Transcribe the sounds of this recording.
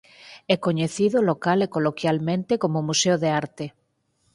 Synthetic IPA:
ɛkoɲeθiðolokalekolokjalmẽnt̪ekomomuseoðeaɾt̪e

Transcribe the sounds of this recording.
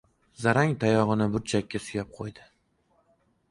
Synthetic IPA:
zaɾaŋt̪ʰajɒʁɨnɪbʊɾt͡ʃʰakʲːasʊjap̚qʰojd̪ɪ

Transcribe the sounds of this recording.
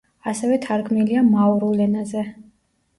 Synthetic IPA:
asɛvɛt̪ʰaɾɡʰmiliamaɔɾulɛnazɛ

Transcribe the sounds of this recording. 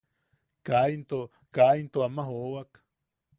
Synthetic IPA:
kaint̪o | kaint̪oamaɦowak

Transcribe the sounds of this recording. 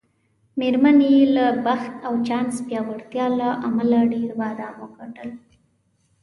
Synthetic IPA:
meɾmanjelabaxt̪awt͡ʃɑnspjɑwaɽt̪jɑlaʔamalaɖeɾbɑd̪aməɡaɳɖəl

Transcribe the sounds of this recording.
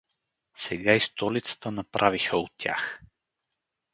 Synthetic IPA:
sɛɡaist̪ɔlit̪sə̥t̪ənɐpɾʔavixəot̪ʲːja̰x

